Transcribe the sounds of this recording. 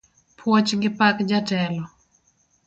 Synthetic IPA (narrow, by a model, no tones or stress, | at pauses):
pʰwɔt͡ʃŋɡɪpakd͡ʒatɛlɔ